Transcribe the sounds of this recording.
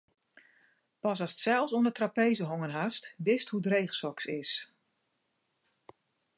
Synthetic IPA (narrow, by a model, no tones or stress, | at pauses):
pɑsɑsətsɛlˠfsoəndətrapeːzəɦoŋənɦastʋɪsthudrejχsɔksɪs